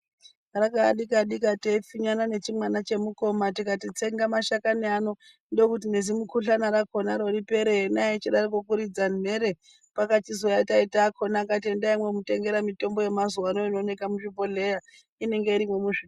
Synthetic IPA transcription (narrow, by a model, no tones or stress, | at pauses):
rakaɗikaɗikateifiɲanane̞t͡ʃimwanat͡ʃe̞muko̞matikatit͡se̞ŋɡamaʃakaniano̞ | ndo̞kutine̞zimukʰuɬanaɾakʰo̞naɾo̞ɾipe̞ɾenaet͡ʃiɗaɾikokuɾid͡zanm̤e̞ɾe | pakat͡ʃizojataitakʰo̞nakat̬iendaimwe̞mute̞ŋɡe̞ɾamito̞mbo̞je̞mazuanoino̞ne̞kamuʃipo̞le̞ja | ine̞ŋɡe̞iɾimwemuʃi